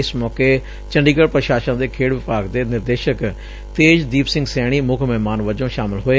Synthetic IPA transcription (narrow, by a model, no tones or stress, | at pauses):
ɪsmɔːkeː | t͡ʃəɳɖiːɡəɽpɾəʃaːʃə̃d̪eːkʰeːɽʋɪpaːɡd̪eːnɪɾd̪eːʃək | t̪eːd͡ʒd̪iːpsɪ̃ŋɡsɛːɽ̃iːmʊkʰmɛːmaːnʋəd͡ʒõːʃaːmɪlɦoːeː